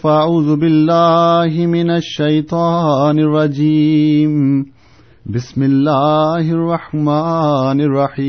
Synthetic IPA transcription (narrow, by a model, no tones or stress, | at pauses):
faʔaʕuːzʊbɪlːaːɦɪmɪnaʃːɐjt̪ˤɑːnɪrˤːɑd͡ʒiːm | bɪsmɪlːaːhɪrˤːɑħmaːnɪrˤːɑħiː